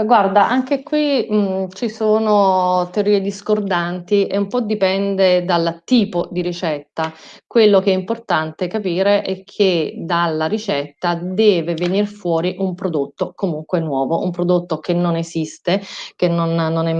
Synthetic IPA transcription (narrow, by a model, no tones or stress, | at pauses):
ɡward̪aʔaŋk̟ekwit͡ʃisoːnot̪eoɾiːed̪iskord̪ant̪iʔeumpɔd̪ipɛnd̪ed̪alt̪iːpod̪iɾit͡ʃɛt̪ːakwelːokeɛimport̪ant̪ekapiːɾeʔɛkʰːed̪alːaɾit͡ʃɛt̪ːad̪ɛːvevenirfwɔːɾiʔumpɾod̪ot̪ːokomuŋkwenwɔːvoʔumpɾod̪ot̪ːok̟enːonezist̪ekenːonːonɛ